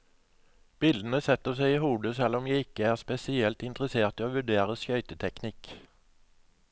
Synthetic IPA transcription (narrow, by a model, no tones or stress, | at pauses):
b̥ɪld̪ən̩əsɛt̪əsɛɪiːhuːd̪əsɛlɔmjæɪɪkəæːʁspɛsɪɛlt̪ɪnt̪ʁəseːʁt̪iːoːʋʉɖeːʁəskœʏt̪ət̪ʰɛknɪk